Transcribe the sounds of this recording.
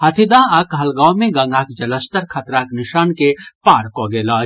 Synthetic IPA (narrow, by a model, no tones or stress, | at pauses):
hɐt̪ʰid̪aːɐkɦɐlɡaːmẽɡanaːkd͡ʒɐləst̪əɾkʰɐt̪ɾaːknɪʃaːnkepaːɾkoːɡeːlaː